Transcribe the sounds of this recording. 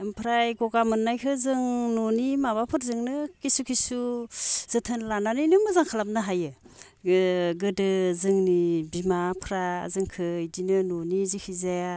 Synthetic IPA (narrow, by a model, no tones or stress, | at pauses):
ɯmpʰɾajɡɔɡamɯnːajkʰɯzɯŋnonimaβapʰɯɾzɯŋnɯkisukʰisuz̥ɯtʰɯnlananɯjnɯmɯzaŋkʰalamnɯɦajɯ | ɡɯdɯzɯŋnibimapʰɾa̰zɯŋkʰɯjdinɯnɔnizikʰizea